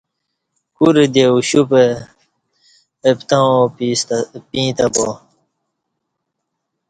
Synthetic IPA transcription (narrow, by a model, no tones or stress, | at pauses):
kuɾed̪euɕupe | pt̪ãopispĩːt̪abo